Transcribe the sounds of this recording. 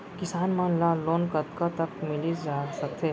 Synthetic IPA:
kɪsaːnmãlaloːnkət̪kat̪əkmɪlid͡ʒaːsək̚t̪ʰe

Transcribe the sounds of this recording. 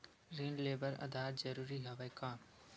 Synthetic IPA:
ɾiːnleːbəɾɐ̰d̪aːt̪zɐɾuːɾiɦɐʋajkãː

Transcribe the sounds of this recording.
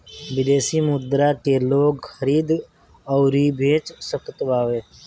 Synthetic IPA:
ʋɪd̪eːsimʊd̪ɾakeloːɡxəɾiːd̪ | ɔʊɾibʱeːt͡ʃsəkət̪ʋaːʋeː

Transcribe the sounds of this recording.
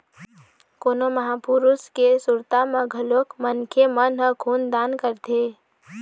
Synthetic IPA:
koːnoməɦapuɾuskesʊɾt̪amãɡʱəlokmənkʰemənɦəkʰuːnd̪aːnkəɾt̪ʰe

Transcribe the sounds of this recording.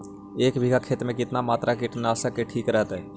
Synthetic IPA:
eːkbʱiɡʱakʰeːt̪ɾmẽkɪt̪namaːt̪ɾakɪʈnaːsəkːeʈʰiːkɾəɦət̪ɦɛː

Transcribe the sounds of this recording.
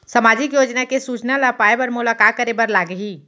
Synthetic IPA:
səmad͡ʒikjod͡ʒnakesut͡ʃnalapaebəɾmulakat̪̚kəɾebəɾlaɡɦi

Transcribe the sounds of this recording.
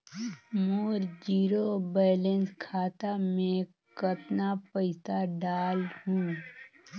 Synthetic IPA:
moːɾd͡ʒiːɾobɛːlenskʰaːt̪amẽ | kət̪napəɪsaɖaːlhũː

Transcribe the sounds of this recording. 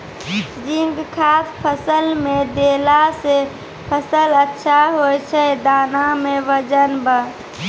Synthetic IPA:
d͡ʒiŋɡkʰaːt̪pʰəsəlmẽd̪eːlase | pʰəsələtːʃʰaɦojt͡ʃʰɛd̪aːnamẽʋəd͡ʒənbə

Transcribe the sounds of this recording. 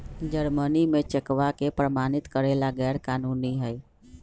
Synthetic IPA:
d͡ʒəɾmənimẽt͡ʃəkʋakepɾəmaːnɪt̪kəɾeːlaɡɛːɾkaːnuːniɦɛj

